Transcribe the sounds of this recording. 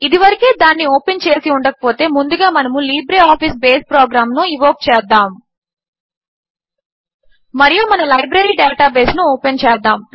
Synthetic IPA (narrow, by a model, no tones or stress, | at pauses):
id̪iʋɐɾikeːd̪aːnːioːpent͡ʃe̞ːsiuɳɖɐkɐ̥po̞ːt̪e̞ːmund̪uɡaːmɐnɐmuliːbɾeaːpʰisbe̞ːspɾoːɡɾaːmnuiʋoːk̚t͡ʃɛːd̪ːaːm | mɐɾijuːmɐnɐmlɐjbɾɐɾiːɖaːʈaːbe̞ːsnuɔːpent͡ʃɛːd̪ːaːm